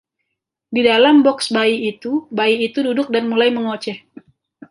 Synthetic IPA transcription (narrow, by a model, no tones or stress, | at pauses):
didalambɔksbaiit̪ubaiːt̪ududʊk̚danmulajməŋot͡ʃɛh